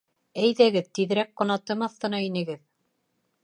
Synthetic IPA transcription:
æjðæɡɘðt̪iðɾæk̚qŏnɑt̪ɤmɑθt̪ɤ̆nɑinɘ̆ɡɘð

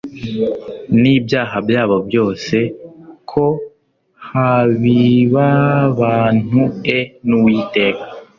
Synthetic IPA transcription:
niːbjaːɦabjaːβo̞bjo̞ːse̞kʰo̞ | haβiβaβaːn̥uenuwiːte̞ːka

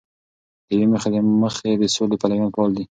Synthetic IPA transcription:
d̪əjweməxad̪eməxed̪əsolepalawjɑnpɑld̪i

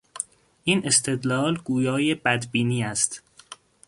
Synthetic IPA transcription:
ʔiːne̞st̪ʰe̞d̪lɒːlɡuːjɒːjebæd̪biːniːæst̪

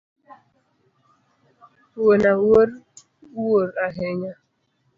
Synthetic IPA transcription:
wonawoɾ | woɾaɦeɲa

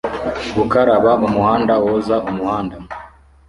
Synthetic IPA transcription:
ɡukaɾaβaʔumuhaːndawozaumuhaːnda

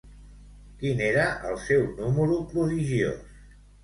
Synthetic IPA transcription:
kineɾəʔə̰lˠsɛwnuməɾupɾuðiʒio̰s

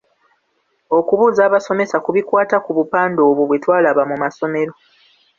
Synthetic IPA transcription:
o̞kuβuːzaːβaso̞me̞sakuβikwaːtakuβupaːndo̞ːβuβwe̞twaːlaβamumaso̞me̞ɾo̞

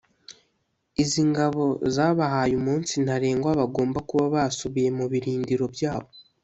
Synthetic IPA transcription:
iziŋɡaβo̞zaːβaɦajumuːnsin̥aɾe̞ːŋɡwaβaɡo̞ːmbakuβaβasuβije̞muβiɾiːndiɾo̞bjaːβo̞

